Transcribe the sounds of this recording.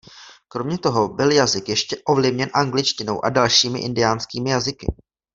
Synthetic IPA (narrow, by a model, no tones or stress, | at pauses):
kɾo̞mɲɛt̪o̞ɦo̞bɪljazɪkjɛʃcɛʔo̞vlɪvɲɛnʔaŋɡlɪt͡ʃcɪno̞wʔa̰dalʃiːmɪ̰ʔɪndɪjaːnskiːmɪjazɪkɪ̰